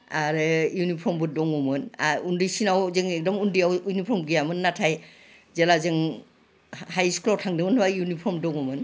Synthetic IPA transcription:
aɾɯjunipʰɔɾmbɯdɔŋɔmɯnaundisinawzeŋɛk̚dɔmundijawujnipʰɔɾmɡijamɯnːatʰaj | zelazeŋ | hajskʰlɔtʰaŋdɯmɯntwajunipʰɔmdɔŋumɯn

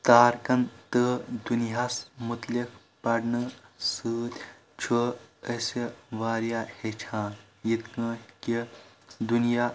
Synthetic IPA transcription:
t̪aːɾkɐnt̪əd̪unɦasmut̪lik | pɐɽnɨsɨːt̪ʲ | t͡ʃʰuəseʋaːɾjaːhet͡ʃʰãː | jit̪kɐ̃ːki | d̪unjaː

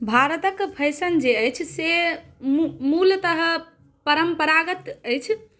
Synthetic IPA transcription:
bʱaɾət̪əkpʰəjsənd͡ʒeəjt͡ʃʰsemmult̪əɦə | pəɾəmpəɾaɡət̪əjt͡ʃʰ

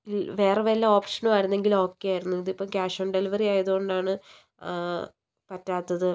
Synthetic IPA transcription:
iʋe̞ːreʋɐlːɐo̞ːpʂɐnumaːjiɾunːe̞ŋɡilo̞ːkːejaːjiɾunːuiðipːɐmkʲaːʂoɳɖelɐʋɐriaːjɐðuɣo̞ɳɖaːɳɨ | pɐtːaːt̪ːɐðɨ

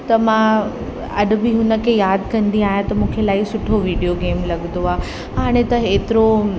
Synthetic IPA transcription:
t̪ɐmã | ɐɗʊ̆bɪɦʊnə̆kʰejaːd̪kɐ̃nd̪iaːɦjãt̪ɐmũːkʰelaːisʊʈʰoʋiːɖijoɡeːmlɐɡnd̪oaː | ɦaːɽ̃ẽt̪ɐeːt̪ɪɾo

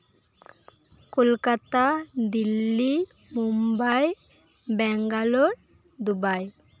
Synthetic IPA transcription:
kolkat̪ad̪ilːi | mumbaj | bɛŋɡaloɾ | d̪ubaj

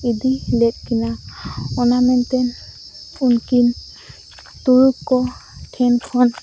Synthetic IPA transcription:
idilɛt̚kʰinaɔnamɛntɛn | unkin | tuɹukːɔtʰɛnkʰɔn

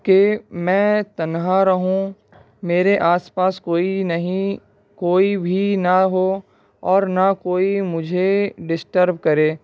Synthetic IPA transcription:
kemɛ̃ːt̪ɐnɦaɾɐɦũ | meːɾeʔaːspaːskoːinɐɦĩ | koːibʱinaɦo | ɔːɾnakoːimʊd͡ʒʱeɖɪsʈəɾb̚kɐɾeː

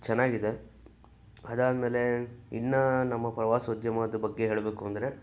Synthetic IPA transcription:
t͡ʃɛnːaːɡid̪e̞ | ɐd̪aːd̪meːle̞inːɐnɐmːɐpɾɐʋaːsɐud̪jɐmɐd̪ɐbɐɡːe̞ɦeːɭbeːkuɐnd̪ɐɾe̞

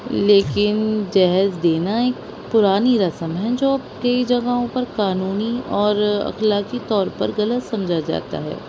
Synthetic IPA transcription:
leːkɪnd͡ʒɛɦəzd̪eːnaeːk | pʊɾaːniɾɐsəmɦɛ̃d͡ʒoːɐb̚kɐid͡ʒɐɡaɦõpɐɾkaːnuːniɔːɾɐ̰xlaːkit̪ɔːɾpɐɾɣɐlət̪sɐ̃md͡ʒʱad͡ʒa̰ːt̪a̰ɦɛ̰ː

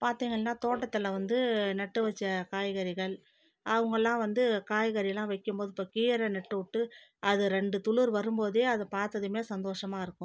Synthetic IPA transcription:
paːɾt̪iːŋɡɐɭnaːt̪oːʈːɐt̪ːɪlɐʋɐnd̪ɯnɐʈːɯʋɐt͡ʃːɐkaːjɣɐɾɪɣɐɭ | ʔɐʋɐŋɡɐlãːʋɐnd̪ɯkaːjɣɐɾɪjlãːʋɐɪkːɯmpoːðɯɪpːoːkiːɾɐnɛʈːɯʊʈːɯɐðɯɾɛɳɖɯt̪ʊɭɯɾʋɐɾɯmboːðeːɐðɐpaːɾt̪ɐðɯmeːsɐnd̪oːʂɐmaːɪɾɯkːʊ̃

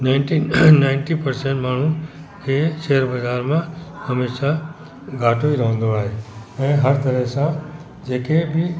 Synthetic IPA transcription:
naɪnʈinaɪnʈipəɾsẽɳʈmaːɳ̤ũkeʃeɦəɾbəd͡ʒʱaːɾmãhəmeːʃa | ɡʱaːʈʰoiɾəɦə̃nd̪oaːɦeəneɦəɾt̪əɾəɦsã | d͡ʒeːkebʱi

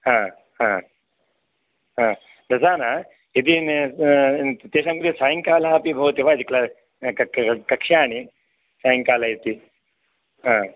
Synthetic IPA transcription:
ɦãː | ɦãː | ɦãː | d̪ɐsaːna | id̪in | t̪eːʃamkuɾisaːjiŋkaːlaːpibʱɐwt̪eʋaːd͡ʒikla | kɐkʂaːni | saːjiŋkaːlajit̪i | ɦãː

